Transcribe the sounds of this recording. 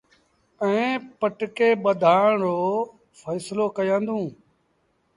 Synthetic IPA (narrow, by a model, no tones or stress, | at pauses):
ɛ̃ːpəʈkeːɓəd̪ʱaːɳ̃ɾoː | fʰəːsloːkəjãːnd̪ũː